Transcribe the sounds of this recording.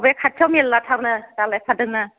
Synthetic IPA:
bjkʰat̚t͡ʃʰawmellatʰaɾnɐdalajpʰadɯŋna

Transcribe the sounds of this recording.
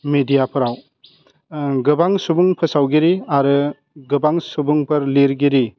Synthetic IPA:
medijapʰɯɾaw | ɡɯbaŋsubuŋpʰɯsawɡiɾiaɾɯ | ɡɯbaŋsubuŋpʰɯɾliɾɡiɾi

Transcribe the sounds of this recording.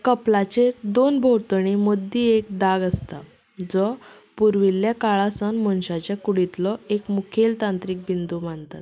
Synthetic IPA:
kəplat͡ɕed̪onbʱowt̪əɳ̃imod̪ːiek̚d̪aɡəst̪a | d͡zɔ | puɾʋiljakaɭasənmɔnɕat͡ɕjakuɽit̪lɔekmukʰelt̪ãnt̪ɾiːk̚bind̪uːm̤aɳt̪at̪

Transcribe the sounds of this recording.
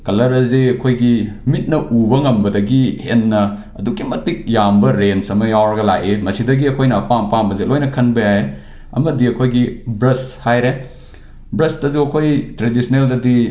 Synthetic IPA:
kɐlɐɾɐziɐkʰojɡimit̚nɐʔubɐŋɐmbɐdɐɡihenːɐ | ɐ̰dukːimɐtik̚jambɐɾensɐmɐjawɾɐɡɐla̰ʔemɐsidɐɡiɐkʰojnɐːpampambɐzelojnɐkʰɐnbɐjaje | ɐ̰mɐdiɐkʰojɡibɾɐshajɾe | bɾɐstɐzuɐkʰojtɾedisʰneldɐdi

